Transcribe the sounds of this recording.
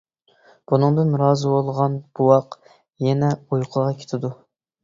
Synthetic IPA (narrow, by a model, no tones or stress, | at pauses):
b̥unɨŋd̪ɨnɾɑːzɨwolˠʁɑnb̥uwɑq | jɛnɛujqʰəʁɑkʲʰe̥t̪ʰɪd̪u